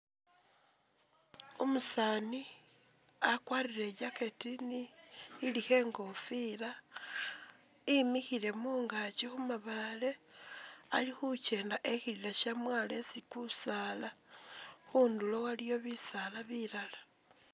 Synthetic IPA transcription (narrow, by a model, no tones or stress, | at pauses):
omusaːni | akwaːriɾe̞ɟaketiniːlixe̞ːŋɡo̞fila | imixile̞muːŋɡat͡ʃixumaβale̞ | alixut͡ʃe̞ːndaʔe̞xililaʃamwaːle̞sikusaːla | xundulowalijo̞βisalaβilalḁ